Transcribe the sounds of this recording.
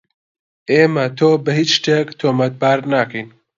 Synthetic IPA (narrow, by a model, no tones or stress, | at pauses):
ʔeːmɐt̪ʰoːbɐhiːt͡ʃʃt̪eːkt̪ʰomɐt̪̚baːɾnaːkʰɐjn